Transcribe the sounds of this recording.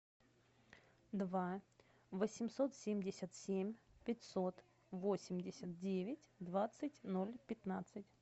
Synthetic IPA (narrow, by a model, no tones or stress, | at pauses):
d̪va | vəsʲɪmso̞t̪sʲemʲdʲɪsʲət̪sʲemʲpʲɪtʲsot̪ | vosʲɪmʲdʲɪsʲət̪̚dʲevʲɪtʲd̪vat̪sɨtʲnolʲpʲɪt̪nat̪sɨtʲ